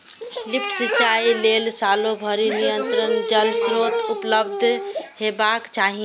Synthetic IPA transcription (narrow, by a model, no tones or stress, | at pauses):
lipʰsit͡ʃailelsaːlobʱəɾinijənt̪ɾənd͡ʒəlsɾot̪upləbd̪ʱhebakt͡ʃaɦi